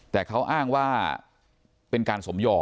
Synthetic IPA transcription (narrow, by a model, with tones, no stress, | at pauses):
t̪ɛː˨˩kʰa˦˥wʔaː˥˩ŋwaː˥˩ | pe˧nkaː˧nso˩˦mjɔː˧˩